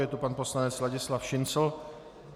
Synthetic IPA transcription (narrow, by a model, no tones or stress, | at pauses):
jɛt̪upanposlanɲɛt͡slaɟɪslafʃɪnsl̩